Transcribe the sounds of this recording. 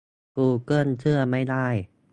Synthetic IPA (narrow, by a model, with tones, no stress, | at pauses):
kuː˧˩kɤː˥˩˨ntʰɯ˥˩ɐma˥˩jda˥˩j